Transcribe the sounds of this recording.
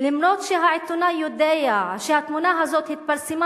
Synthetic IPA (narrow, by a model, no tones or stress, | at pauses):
limnot̪ʃeɦaʕit̪unajud̪ejaʃehat̪munaɦazot̪hit̪̚paɾsima